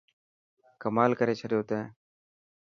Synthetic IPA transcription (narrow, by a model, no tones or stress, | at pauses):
kəmaːlkəɾeːt͡ʃʰəɽɪjoːt̪eː